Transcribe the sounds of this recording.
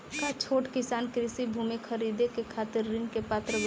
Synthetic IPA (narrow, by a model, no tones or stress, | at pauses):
kat͡ʃʰoːʈkɪsaːnkɾɪsibʱuːmikʰəɾid̪ekekʰaːt̪ɪɾːɪnkepaːt̪ɾəb